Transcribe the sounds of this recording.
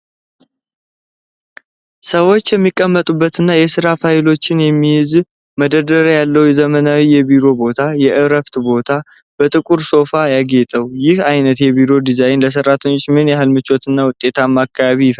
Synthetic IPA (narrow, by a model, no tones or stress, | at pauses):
səwo̞t͡ʃːjɛmːikʼːəmːət̪ʼubːət̪ɨnːajɛsɨɾafajɪlo̞t͡ʃːɪnjɛmːijɪz | məd̪əd̪əɾjalːəwjɛzəmənawijɛbiɾo̞bo̞t̪ʰajɛʔɨɾəft̪bo̞t̪ʰa | b̥ət̪ʼɨkʼuɾso̞fajaɡe̞t̪ʼəwjɪhajnət̪jɛbiɾo̞d̪izajnləs̬ərːat̪ʰəɲːo̞t͡ʃːmɨnjaɦɨlmɨt͡ʃwot̪ʰɨnːawʊt̪ʼːe̞t̪ʰamːakʰːaβaβijɪf